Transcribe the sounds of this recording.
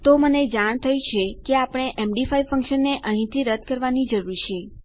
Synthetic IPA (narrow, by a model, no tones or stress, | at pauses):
t̪oməned͡ʒaɽ̃t̪ʰəjũt͡ʃʰekeapəɽ̃eʔemɖifaifəŋkʃənːeʔəɦĩt̪ʰiɾəd̪̚ʱkəɾʋanid͡ʒəɾuɾt͡ʃʰe